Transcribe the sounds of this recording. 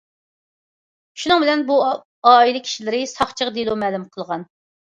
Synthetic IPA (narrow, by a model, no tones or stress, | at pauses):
ʃunɨŋbɪlɛnbu | ɑːilˠɪkʲʰi̥ʃilɪɾɪsɑχt͡ʃʰəʁd̪elˠumɛːlumqʰəlˠʁɑn